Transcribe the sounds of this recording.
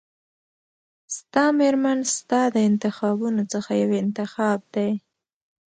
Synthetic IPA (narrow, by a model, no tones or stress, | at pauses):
st̪ɑmeɾmanst̪ɑd̪əɪnt̪ɪxɑbunot͡səxajawɪnt̪ɪxɑb̚d̪aj